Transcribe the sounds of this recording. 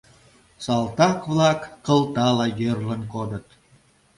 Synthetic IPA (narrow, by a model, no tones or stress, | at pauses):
sɑlˠt̪ɑkβlɑkːə̆lˠt̪ɑlɑjørlənkod̪ət̪